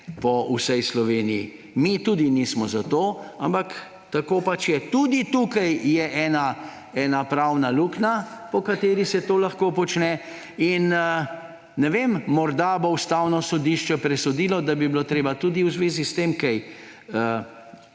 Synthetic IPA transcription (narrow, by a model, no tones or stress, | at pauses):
pɔusɛjslɔʋeːnijḭ | mit̪ud̪inismɔzat̪oːampak | t̪akoːpat͡ʃjɛt̪ud̪it̪uːkajjɛʔɛːna | ɛːnapɾawnaluːknapɔkat̪eːɾisɛt̪oːlaxkoːpɔt͡ʃnɛ | in | nɛʋemːɔɾd̪aboust̪awnɔsɔd̪iʃt͡ʃɛpɾɛsɔd̪iːlɔd̪abibilot̪ɾeːbat̪uːd̪iwzʋeːzist̪emkɛj | ə